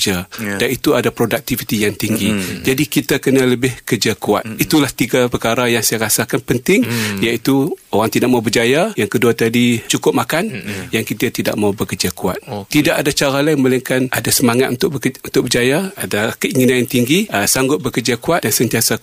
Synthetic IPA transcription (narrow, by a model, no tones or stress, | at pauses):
d͡ʒadanit̪uadapɾodak̚t̪ivit̪ijaŋt̪iŋɡid͡ʒadikit̪akənaləbɪhkərd͡ʒakua̰t̪̚it̪ulaht̪iɡapəkaɾajaŋsajaɾasakanpənt̪ɪŋjait̪uoɾaŋt̪idaʔ̚maubərd͡ʒajajaŋkəduat̪adit͡ʃukʊp̚makanjaŋkit̪at̪ida̰ʔ̚maubəkərd͡ʒakua̰t̪̚ːidakadat͡ʃaɾalaɪməlɛŋkanʔadasəmaŋat̪̚unt̪ʊkunt̪ʊk̚bərd͡ʒajaadakəiŋinanjaŋt̪iŋɡisaŋɡʊt̪̚bəkərd͡ʒakuat̪̚dansənt̪iasa